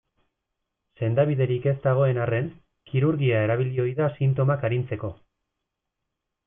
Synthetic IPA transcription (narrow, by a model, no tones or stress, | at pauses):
se̞nd̪aβ̞iðe̞ɾike̞szt̪aɣ̞o̞e̞nare̞n | kiɾuɾɣiae̞ɾaβ̞ilio̞jðasint̪o̞makaɾint͡se̞ko̞